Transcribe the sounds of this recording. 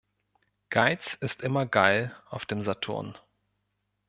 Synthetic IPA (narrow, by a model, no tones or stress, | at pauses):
ɡ̥aɪt͡sɪstʔɪmɐɡaɪlʔaʊfd̥eːmzatʰʊ̰ɐ̰n